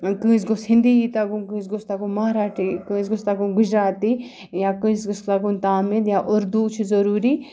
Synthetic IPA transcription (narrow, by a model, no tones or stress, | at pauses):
kɨ̃s̬ɡʊshĩnd̪iit̪akũkɨ̃sɡʊst̪akũmɐaːɾaːʈʰikɨsɡʊst̪akũnɡʊd͡ʒɾaːt̪i | jakɨ̃sɡʊst̪akunt̪aːmid̪jaʔʊɾd̪ut͡ʃʰzɐɾuːɾi